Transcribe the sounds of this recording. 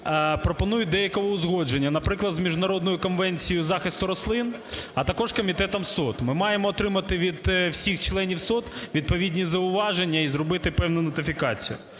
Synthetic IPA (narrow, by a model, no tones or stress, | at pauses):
pɾɔpɔnujʊt̚ʲd̪ɛjɐkɔʋɔʊzɦɔd͡ʒenʲːɐnɐpɾɪklˠɐd̪zmʲiʒnɐɾɔd̪̚nɔjʊkɔnʋɛnʲt͡sʲijʊzɑxɪst̪ʊɾɔslˠɪn | ɐt̪ɐkɔʒkɔmʲit̪ɛt̪ɐmsɔt̪mɪmɑjemɔːt̪ɾɪmɐt̪ɪʋʲid̪wsʲixt͡ʃlˠɛnʲiwsɔt̪ʋʲid̪̚pɔʋʲidʲnʲizɐʊʋɑʒenʲːɐizɾɔbɪt̪ɪpɛwnʊnɔt̪ɪfʲikɑt͡sʲḭjʊ̰